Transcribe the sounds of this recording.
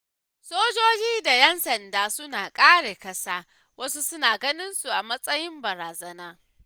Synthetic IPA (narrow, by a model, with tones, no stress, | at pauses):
soː˦d͡ʒoː˦d͡ʒiː˦da˨jɛ˦nsɐ˨ndaː˦sʊ˦naː˨kʼaː˦ɽeː˨kɐ˦saː˦ | wɐ˦su˦sʊ˦naː˨ɡɐ˦nɪ˦nsu˨ʔa˨mɐ˦sʼɐ˦jɪ˦mbɐ˨ɾaː˨zɐ˦naː˦